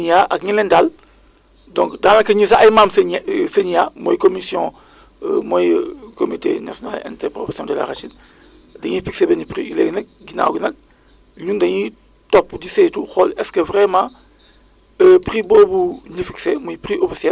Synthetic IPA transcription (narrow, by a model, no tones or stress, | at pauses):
ɲijaʔak̚ɲilendal | dɔ̃ŋkdaŋlakɐɲis̬aʔajmaːmseɲseɲijamojkomisjɔ̃ | mojkomitḛnasjona̰lɛ̰̃ntɛpɾofesiɔ̃ːdela̰ɾat͡ʃin | dɐɲifiksebenipɾḭileːɡnɐk̚ɡina̰ːwɡinɐk̚ | ɲundɐɲi | topːdisetuxolɛskəvɾemã | əpɾiboːbunifiksemojipɾiʔofisiɛl